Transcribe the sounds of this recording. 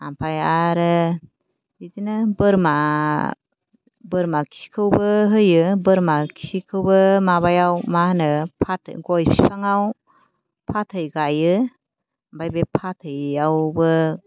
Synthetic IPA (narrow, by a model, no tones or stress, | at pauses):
ampʰajaɾɯ | idinɯbɯɾma | bəɾmakʰi̥si̥kʰɯwbɯɦɯjɯbɯɾmakʰi̥sikʰɯwbɯmaβajawmahnɯpʰatʰɡɔjpʰi̥sʰaŋaw | pʰatʰɯjɡajɯ | bajbepʰatʰɯjawbɯ